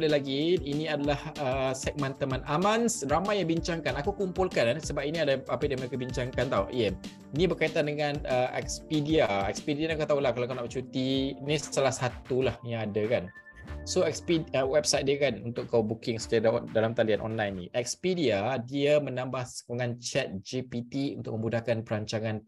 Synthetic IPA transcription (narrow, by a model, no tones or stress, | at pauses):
dalaɡiinĩadalahəsɛk̚mant̪əmãnʔamansramajːaŋbiɲt͡ʃaŋkanakukumpulkannsəbap̚iniadaapadiaməɾekabiɲt͡ʃaŋkant̪aujə | inibərkait̪andəŋanəɛ̰k̚spidiaɛ̰kspidianiakat̪aulahkalakanapt͡ʃut̪inist̪əlahsat̪ulahjãŋadakan | soɛkspiəwɛbsajt̪̚diəkanunt̪ʊkkawbukɪŋsu̥kaɾadalamt̪alianʔɔ̰nlajnːḭ̃ʔɛk̚spidiadiamənãmbahsə̥koŋant͡ʃɛt̪̚d͡ʒipit̪iṵnt̪ʊk̚mə̃mbudahkanpəɾaɲt͡ʃaŋãn